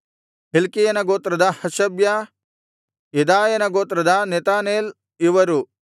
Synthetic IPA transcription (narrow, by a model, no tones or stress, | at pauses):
ɦelkijɐnɐɡoːt̪ɾɐd̪ɐhɐʃɐbjɐ | jed̪aːjɐnɐɡoːt̪ɾɐd̪ɐnet̪aːneːl | iʋɐɾu